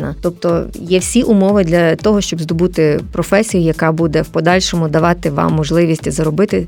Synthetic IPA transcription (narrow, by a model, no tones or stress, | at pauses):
nɐ̰t̪ɔp̚t̪ɔjɛwsʲiʔʊmɔʋɪd̪lʲɐt̪ɔɦɔʃt͡ʃɔbzd̪ɔbut̪ɪpɾɔfɛsʲijʊjɐkɑbud̪ɛwpɔd̪ɑlʲʃɔmʊd̪ɐʋɑt̪ɪʋɑ̰mːɔʒlˠɪʋʲisʲtʲzɐɾɔbɪt̪ɪ